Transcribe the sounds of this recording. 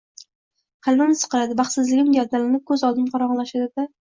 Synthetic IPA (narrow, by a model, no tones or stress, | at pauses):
hʰɨlˠmɪmɪzɨ̥qʰɨlad̪ɪbɑχt̪sɪzlɪɡʲɪmɡʲaɾt̪alanɪp̚kʲʰɵzɒlˠd̪ɪmqʰɑɾɒʁɑnlaʃad̪ɪd̪a